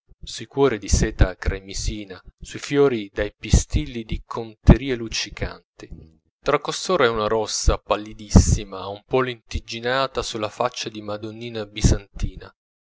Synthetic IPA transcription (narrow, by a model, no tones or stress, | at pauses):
sujkwɔːɾid̪isɛːt̪akɾʔamiziːnasujfjɔːɾid̪ajpist̪ilːid̪ikʰont̪eɾiːelut͡ʃikʰa̰nt̪i | t̪ɾakːost̪oːɾaɛunaɾɔsːapalːid̪isːimaumpɔlint̪id͡ʒinaːt̪asulːafat͡ʃːad̪imad̪onːiːnabizant̪iːna̰